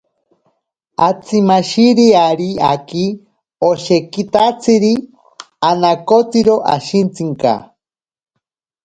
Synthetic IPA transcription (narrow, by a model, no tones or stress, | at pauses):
at͡sʰimaʃiɾiaɾiaki | oʃekit̪at͡sʰiɾi | anakot͡siɾoʔa̰ʃint͡siŋka̰